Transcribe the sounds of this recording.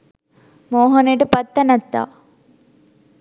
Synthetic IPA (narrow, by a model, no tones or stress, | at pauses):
moːɦonəjʈəpɐt̪ːanat̪ːa̰ː